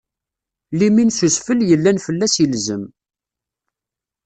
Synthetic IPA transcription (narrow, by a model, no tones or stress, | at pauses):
liminsusfəljəlːænfəlːæsəlzəm